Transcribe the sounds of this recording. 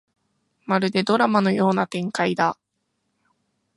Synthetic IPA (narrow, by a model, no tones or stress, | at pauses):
maɾɯ̟d̪e̞d̪o̞ɾamano̞jo̞ːnat̪ẽ̞ŋkaid̪a